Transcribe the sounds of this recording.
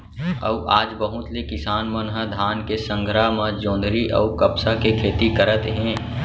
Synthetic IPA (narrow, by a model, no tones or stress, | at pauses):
ə̰uʔaːd͡ʒbəɦʊ̃t̪likɪsaːnmənɦəd̪ʱaːnkesə̃ŋɡʱɾaːmãd͡ʒõːnd̪ʱɾiʔə̰ukɐpsakekʰeːt̪ikəɾət̪ɦɛ̃ː